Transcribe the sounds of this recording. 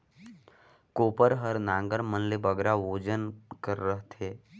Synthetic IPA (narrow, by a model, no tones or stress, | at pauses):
koːpəɾɦəɾnãːŋɡəɾmənlebəɡɾaʋoːd͡ʒənkəɾːəɦt̪ʰeː